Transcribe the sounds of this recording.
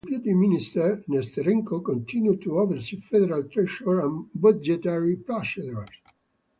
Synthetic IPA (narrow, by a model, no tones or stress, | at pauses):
pjut̪iminist̪ɛɾnɛst̪əɾĩŋkokɔ̃nt̪ʰĩnjut̪ːuɔvəɾsifɛd̪ɛɾalt̪ɾɛʃɔɹãnbad͡ʒɛt̪aɹiplaʃɛd̪ɾas